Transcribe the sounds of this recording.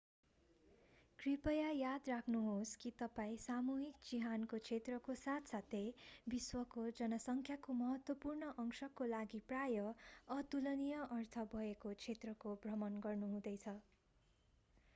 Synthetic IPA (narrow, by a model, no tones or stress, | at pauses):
kripʌjajad̪rakʰnuɦoskit̪ʌpaĩsamuɦikt͡siɦankot͡sʰet̪rʌkosat̪ʰsat̪ʰebiswʌkod͡zʌnʌsʌŋkʰjakomʌɦʌt̪wʌpurnʌʔʌŋsʌkolaɡiprajʌʌt̪ulʌnijʌʔʌrt̪ʰʌbʱʌekot͡sʰet̪rʌkobrʌmʌnɡʌrnuɦũd̪ʌjt͡sʰʌ